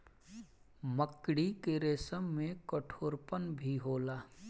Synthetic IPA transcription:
məkɽikeɾeːsəmːẽkəʈʰoːɾpənbʱiɦoːlaː

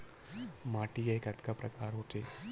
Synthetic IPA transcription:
maːʈijeekɐt̪kapɾɐkaːɾɦoːt̪eː

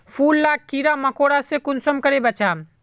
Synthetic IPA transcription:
pʰulːakːiɾaməkoɽasẽkunsəmkəɾebət͡ʃaːm

